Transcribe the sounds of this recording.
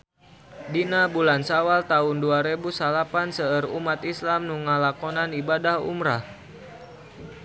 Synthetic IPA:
dinabulansawalt̪aʊnduaɾebusalapansəərumat̪islamnuŋalakɔnanibadahṵmɾah

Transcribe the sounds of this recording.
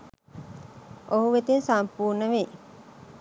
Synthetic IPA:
ʔoɦuʋet̪ensampuːrnəʋe

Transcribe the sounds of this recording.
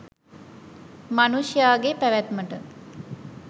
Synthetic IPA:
manusjaːɡepæʋæt̪məʈə

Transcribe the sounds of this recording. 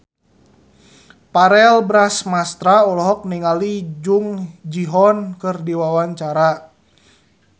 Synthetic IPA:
paɾɛlbɾasmast̪ɾaulɔɦɔk̚niŋalid͡ʒuŋd͡ʒiɦɔnkɨrdiwawaɲt͡ʃaɾa

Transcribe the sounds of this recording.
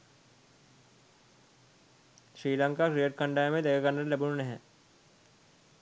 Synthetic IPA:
ʃɾiːlə̃ŋkakɾiəʈ̚kə̃ɳɖaːemẽd̪ekʰakəɳɖəlɛbuneɦɛ̃ː

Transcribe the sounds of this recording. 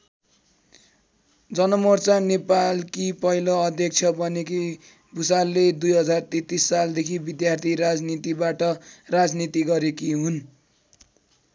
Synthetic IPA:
d͡zʌnʌmort͡sanepalkipʌɦiloʌd̪ʱjʌk̚t͡sʰʌbʌniki | busalːed̪ujɦʌd͡zart̪et̪isːald̪ekʰibid̪jart̪ʰiɾad͡znit̪ibaʈʌrad͡znit̪iɡʌɾekiɦun

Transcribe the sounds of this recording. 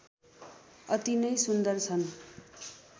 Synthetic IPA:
ʌt̪inʌjsund̪ʌrt͡sʰʌn

